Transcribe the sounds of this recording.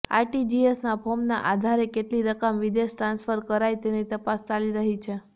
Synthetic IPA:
a̰ɾʈid͡ʒiesnapʰomna̰ʔad̪ʱaɾekeʈliɾəkəmʋid̪eʃʈɾãnsfəɾkəɾajt̪enit̪əpast͡ʃaliɾəɦit͡ʃʰe

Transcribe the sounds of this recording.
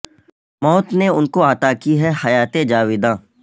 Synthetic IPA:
mɔːt̪neʊnkoɐt̪akiɦɛhɐjaːt̪ed͡ʒaːʋɪd̪ãː

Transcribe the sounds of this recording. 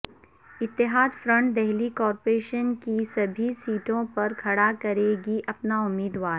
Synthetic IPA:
ɪt̪ːɪɦaːd̪fɾɐ̃ɳʈ̚d̪ɛɦlikɔːɾpɾeːʃənkisɐbʱisiːʈõpɐɾkʰɐɽakɐɾeːɡiʔɐpnaʊmːiːd̪waːɾ

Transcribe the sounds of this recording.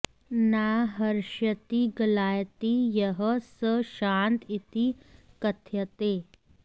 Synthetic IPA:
naːɦɐɾʃjət̪iɡɐlaːjt̪ijɐɦəsəʃaːnt̪ʰit̪ikɐt̪ʰjɐt̪eː

